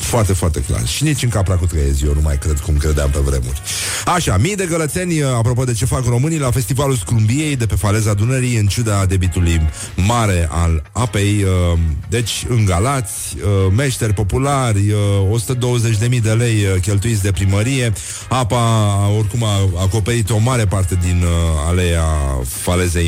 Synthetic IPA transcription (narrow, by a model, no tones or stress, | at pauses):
foart̪e̞foart̪e̞̰kla̰rʃinit͡ʃɨŋkəapɾakut̪kajezjownuma̰jkɾe̞d̪kumkɾe̞d̪ea̰mpe̞vɾe̞̰mṵrʲ | aʃamijd̪e̞ɡələt̪se̞nʲapɾopod̪e̞t͡ʃe̞fakro̞mɨnijlafe̞st̪ivaluskɾumbije̞jd̪e̞pe̞fale̞zad̪unəɾiɨnt͡ʃud̪ad̪e̞bit̪uluj | maɾe̞ʔa̰lapej | d̪e̞t͡ʃʲɨŋɡalat̪sʲəme̞ʃt̪e̞rʲpo̞pularʲəo̞su̥t̪əd̪o̞wəzet͡ʃʲd̪e̞mijd̪e̞le̞jkʲe̞lt̪uit̪sʲd̪e̞pɾiməɾije̞ | apao̞rkumaako̞peɾit̪o̞maɾe̞part̪e̞d̪ina̰leja̰fale̞ze̞j